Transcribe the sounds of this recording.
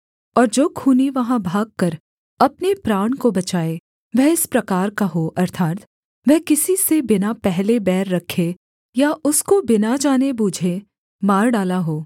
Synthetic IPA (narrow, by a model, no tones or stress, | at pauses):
ɔːɾd͡ʒoːkʰuːniʋɐɦãbʱaːɡ̚kɐɾ | ɐpnepɾaːɳ̃kobɐt͡ʃaːe | ʋɛɦɪspɾɐkaːɾkaɦoʔɐɾt̪ʰaːt̪ | ʋɛɦkɪsisebɪnapɛɦlebɛːɾːɐkʰːe | jaʔʊskobɪnad͡ʒaːnebuːd͡ʒʱe | maːɾɖaːlaɦoː